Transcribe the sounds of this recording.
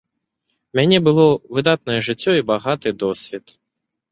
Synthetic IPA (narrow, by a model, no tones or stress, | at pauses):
mʲanʲɛbɨlˠɔvɨd̪at̪nɐjɛʐɨt͡sʲːɔibaɣat̪ɨd̪ɔsʲvʲit̪